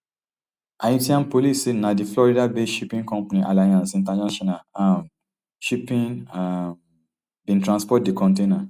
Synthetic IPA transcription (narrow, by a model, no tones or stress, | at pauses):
ajĩtiãnpolisinãdiflɔɾidabeʃipĩŋkɔ̃mpanĩʔalajãnsĩntanaʃɔnaãm | ʃipĩna | bĩntɾãnspɔt̚dikɔ̃nt̬ena